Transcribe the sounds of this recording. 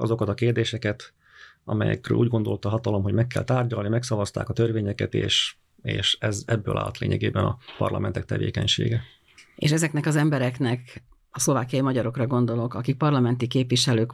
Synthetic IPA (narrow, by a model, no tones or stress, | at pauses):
ɒzo̞kɒt̪ɒkeːrd̪eːʃɛkɛt̪ | ɒmɛ̰jɛ̰krø̰ːluːɟɡo̞nd̪o̞lt̪ɒɦɒt̪ɒlo̞mɦo̞ɟmɛkːɛ̰lt̪aːrɟɒlnimɛksɒvɒst̪a̰ːkɒt̪ørveːɲɛkɛt̪ḛːʃ | eːʃɛzɛbːøːla̰ːlɒt̪leːɲɛɡeːbɛnɒpɒ̰rlɒ̰mʔɛnt̪ɛk̚t̪ɛvḛːkɛɲʃḛːɡɛ | ḛːʃɛzɛknɛkɒzɛmbɛɾɛknɛk | ɒslo̞vaːkijɒjimɒɟɒɾo̞krɒɡo̞nd̪o̞lo̞kɒkik̚pɒrlɒmɛnt̪ikeːpʋiʃɛløːk